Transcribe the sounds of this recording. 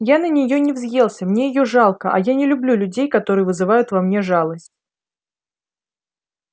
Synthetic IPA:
janənʲɪjo̞nʲɪvzʲje̞lˠsʲəmnʲe̞jɪjo̞ʐɑlˠkəʔɐ̰janʲɪlʲʊblʲulʲʉdʲejkɐt̪o̞ɾɨjvɨzɨvajʊt̪vɐmnʲe̞ʐɑlˠəsʲtʲ

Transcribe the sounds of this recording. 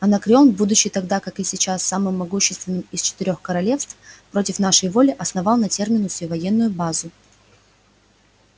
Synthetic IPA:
ɐnɐkɾʲonbud̪ʊɕːɪjt̪ɐɡd̪akakɨsʲɪt͡ɕasːamɨmːɐɡuɕːɪst̪vʲɪnːɨmɪst͡ɕɪ̥t̪ɪɾʲo̞xkəɾɐlʲe̞fst̪fpɾo̞tʲɪfnaʂəjvo̞lʲɪʔɐsnɐvɑlˠnɐtʲe̞rmʲɪnʊsʲvʲvɐjenːʊjʊbazʊ

